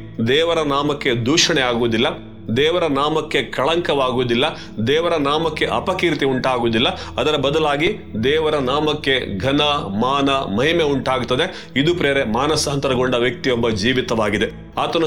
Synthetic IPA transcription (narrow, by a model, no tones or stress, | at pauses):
d̪ɛːʋɐɾɐnaːmɐkːe̞d̪uːʂɐɳeaːɡuːd̪ilːɐ | d̪ɛːʋɐɾɐnaːmɐkːe̞kɐɭɐŋkɐʋaːɡuːd̪ilːɐ | d̪ɛːʋɐɾɐnaːmɐkːe̞ʔɐpɐkiːɾt̪iuɳʈaːɡuːd̪ilːɐɐd̪ɐɾɐbɐd̪ɐlaːɡi | d̪ɛːʋɐɾɐnaːmɐkːe̞ɡʱɐnɐmaːnɐmɐɦimeuɳʈaːɡut̪ːɐd̪e̞ | id̪upɾeːɐɾemaːnɐsɐɦɐnt̪ɐɾɐɡoɳɖɐʋjɐk̚t̪ijɔbːɐd͡ʒiːʋit̪ɐʋaːɡid̪e̞ | aːt̪ɐnu